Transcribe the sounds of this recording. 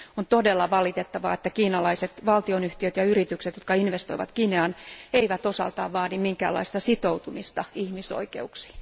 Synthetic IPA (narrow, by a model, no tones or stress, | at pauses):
ont̪odelːɑʋɑlit̪et̪ːɑʋɑ̰et̪ːækiːnɑlɑiset̪ʋɑlt̪ionyht̪iøt̪jɑyrit̪ykset̪jot̪̚kɑinʋest̪oiʋɑ̰t̪kineɑneiʋæt̪osɑ̰lt̪ɑ̰ːʋʋɑːdimmiŋkæ̰ːlːɑ̰ist̪ɑsit̪out̪umist̪ɑihmiso̰ikḛuksi̥ː